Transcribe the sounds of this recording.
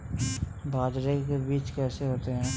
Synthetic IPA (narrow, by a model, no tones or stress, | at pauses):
bʱaːd͡ʒɾekebiːt͡ʃkɛːseɦoːt̪eɦɛ̃ː